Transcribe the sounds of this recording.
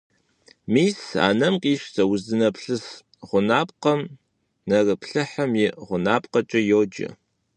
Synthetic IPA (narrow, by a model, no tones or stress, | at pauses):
miːsa̰ːnɐmqʼiːʃsʰɐwʊzɨnɐpʰɬɨs | ʁʷʊnaːp̚ʼqɐm | nɐrɨpʰɬɨħɐmjɪʁʷʊnaːp̚ʼqɐt͡ʃʼɐjoːd͡ʒɪ̰